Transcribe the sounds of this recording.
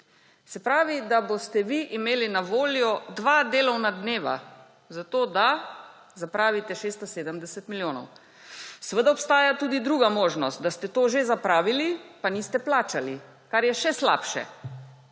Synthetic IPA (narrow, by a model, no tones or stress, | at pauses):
sɛpɾaːʋid̪abost̪ɛʋiʔimeːlinaʋoːljɔd̪ʋad̪eːlɔwnad̪neːʋa̰ | zat̪oːd̪a | zapɾaːʋit̪ɛʃeːst̪ɔseːd̪əmd̪ɛsɛt̪miljoːnɔ̰w | səʋəd̪aɔpst̪aːjat̪uːd̪id̪ɾuːɡamoːʒnɔst̪̚d̪ast̪ɛt̪oːʒezapɾaːʋilipaniːst̪ɛplaːt͡ʃali | kaɾjɛʃɛsla̰ːpʃɛ̰